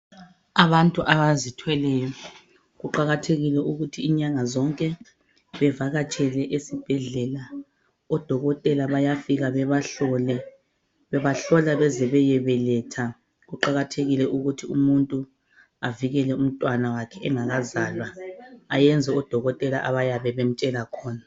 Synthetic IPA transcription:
aβantʼuʔaβazitʰwɛlɛjɔ | ɣuǃaɣatʰeɣilɛʔuɣutʰiːɲaŋazɔŋkʼɛ | βɛvaɣat͡ʃʼɛlɛʔesib̥ʱɛɮɛla | ɔd̥ʱɔɣɔtʼɛlaβajafiɣaβɛβaɔlɛ | βɛβaɬɔlaβɛzɛβɛjɛβɛlɛtʰa | ɣuǃaɣatʰeɣilɛʔuɣutʰiumuntʼu | aviɣɛlɛum̩tʼwanawakʰɛʔɛŋaɣazaːlwaːjɛnd͡zʱɛɔd̥ʱɔɣɔtʼɛla̰ʔaβajaβɛβem̩t͡ʃʼɛlakʰɔːna

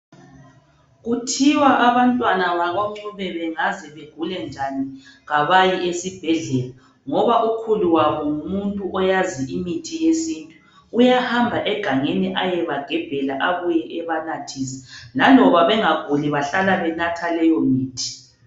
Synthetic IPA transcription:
ɣutʰiwaʔaβantʼwanaβaɣoŋ͡ǀuβɛβɛŋazɛβeɡ̥ʱulɛnd͡ʒʱaniɣaβajiʔesib̥ʱɛɮɛla | ŋɔβaʔukʰuluwaβɔŋumuntʼuʔɔjaziimitʰijesintʼuː | jahambʱaʔɛɡ̥ʱaŋeniʔajɛβaɡ̥ʱɛb̥ʱɛlaʔaβujɛʔɛβanatʰisɛ̥lalɔβaβɛŋaɡ̥ʱuliβaɬalaβɛnatʰalɛjɔmiːtʰi̥

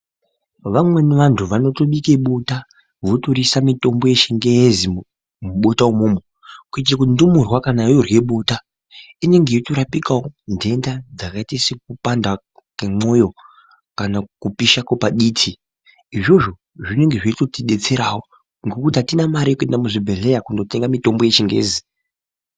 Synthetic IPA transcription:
ʋamwe̞niʋantʰuʋano̞to̞ɓike̞ɓota | ʋo̞toɾisamito̞mbo̞jeʃeŋɡejezi | muɓo̞taumuːmo | kuit͡ʃek̬undumurwakanajorwe̞ɓo̞ːta | ine̞ŋɡejitoɾapikawonde̞ndad͡zakaitesek̚upanda | kemo̞jo̞ | kanakupiʃakopaɗiːtʰi | iʐo̞ʐo | ʐineŋɡe̞ʐiitotiɗe̞t͡se̞ɾawo | ŋɡo̞kutiɦatinamaɾikue̞ndamuʐibʱeɮe̞jakundo̞te̞ŋɡamito̞mbo̞jeʃiŋɡeḛzi

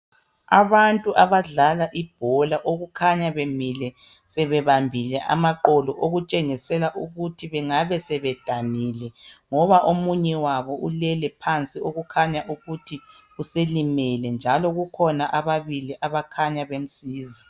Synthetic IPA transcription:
a̰βantʼuʔaβaɮalaʔib̥ʱɔlaʔoɣukʰaɲaβemilɛ | sɛβɛβambʱilɛʔa̰maǃɔlɔʔoɣut͡ʃʼeŋisɛlaʔuɣutʰiβɛŋaβɛsɛβɛd̥ʱaniːlɛŋɔβaʔomuɲɛwaβɔʔulɛlɛpʰant͡sʼioɣukʰaɲaʔuɣutʰi | uselimɛlɛnd͡ʒʱalɔɣukʰɔnaʔaβaβiliʔaβakʰaɲaβem̩siːza

